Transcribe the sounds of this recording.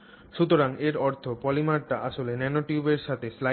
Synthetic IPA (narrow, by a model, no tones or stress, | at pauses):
ʃut̪oɾaŋeɾɔɾt̪ʰopɔlimaɾʈaʔaʃolenɛnoʈiubeɾʃat̪ʰesla